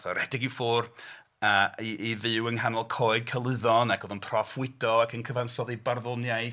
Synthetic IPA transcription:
θɔɾɛdɪɡiwfoːr | əːiivɨwənɦanɔlˠkʰoːɨd̚kʰəlˠɨðɔnaɡ̥oðənpʰrɔfwɪdɔakʰənkʰəvansɔðibarðɔnjaj

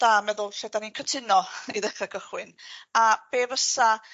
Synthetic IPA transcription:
d̥aːmɛðʊlˠɬɛdaninkʰətʰɪnɔiðɛχakʰəχwɪnab̥eːvəsa

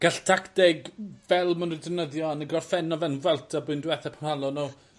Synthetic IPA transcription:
ɡ̥aɬtʰaktɛɡvɛlˠmanɪdəvnəðjɔanəɡɔrfɛnɔvɛnvwɛlˠtʰabʊɨndwɛθɛpʰamhalˠɔnuː

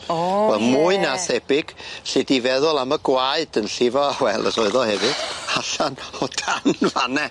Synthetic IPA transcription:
wɛlˠmʊɨnaθɛbɪɡ̥ɬɪdivɛðʊlˠaməɡwaɨdənɬɪvɔawɛlˠə̰sɔɨðɔhɛvɨd̥aɬanɔdʰanvanɛ

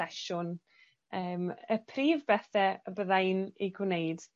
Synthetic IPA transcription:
ɛʃʊn | əːməpʰriːvbɛθɛəbəðajniɡwnejd̥

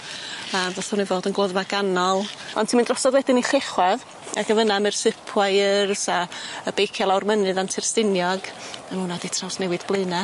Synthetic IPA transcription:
əvɛsʊnivoːdənɡlˠɔðvaɡanɔlˠɔntʰimindrɔsɔðwɛdɪniɬɪχwɛð | a̰ɡəvənamɨrsɪpʰwajɪrsaəbejkʰalˠawrmənɨðantʰɪrstɪnjɔɡanmuːnaditʰrawsnɛwɨd̥b̥lˠɨna

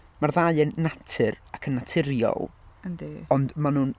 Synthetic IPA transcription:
marðaɨɛnːatʰɨrakʰənːatʰɪɾjɔ̰lˠəndiɔndmanun

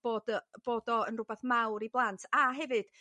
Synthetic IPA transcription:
b̥oːdb̥oːdɔənrʊbaθmawɾiblˠantʰaɦɛvɨd̥

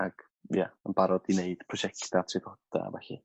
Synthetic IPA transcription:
aɡ̥ | jaənbaɾɔdineɨd̥pʰrɔʃɛktatʰrɪvɔd̥a̰vɛɬɪ̰

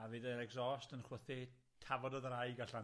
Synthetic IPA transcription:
avidəɾɛɡzɔːstənχwəθi | tʰavɔdɔðrajɡaɬa

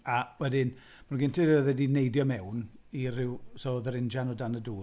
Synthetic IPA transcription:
awɛdɪn | manɡɪntʰɪəðɛdinejdjɔmɛwnirɪwsoðəɾɪnd͡ʒanɔdanəduː

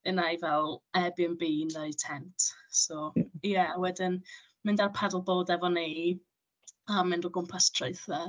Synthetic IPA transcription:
ənajvɛlˠɛbjənbiːnəɨtʰɛntsojɛwɛdɪn | mɪndarpʰɛdəlˠboːdɛvɔni | amɪ̃ndəɡʊmpʰastʰroɨθɛ

